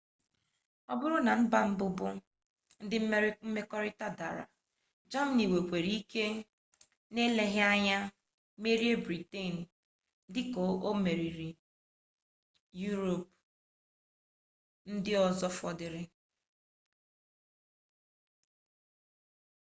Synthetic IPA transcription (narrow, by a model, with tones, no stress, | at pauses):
ɔ˦bʊ˦ɾʊ˦na˨m̩˦ba˦m̩˦bʊ˦bʊ˦ | n̩˦dɪ˦m̩˦me˦ɾm̩˦me˦kɔ˦ɾɪ˦ta˦da̰˨ɾa̰˨ | d͡ʒa˦m̩˦ni˨we˨kʷe˨ɾi˦i˦ke˦ | ne˦le˦ɦja˦ɲa˦ | me˦ɾje˦bɾi˨te˦˨n̩˨ | dɪ˦ko˨o˦me˨ɾi˨ɾi˨ | ju˦ɾo˨p̚ | n̩˦dɪ˦ɔ˨zɔ˦fɔ˦dɪ˨ɾɪ˦